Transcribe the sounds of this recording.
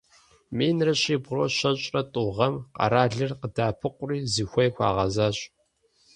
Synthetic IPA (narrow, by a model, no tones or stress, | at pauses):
meːnrɨɕiːbʁoːɕɐɕʼrɐtʼuʁɐmqɑ̰ɾaːɮɨrqədaːpʰɨqʷʼʊriːziːxʷɔjxʷɑ̰ːʁɐzaːɕʼ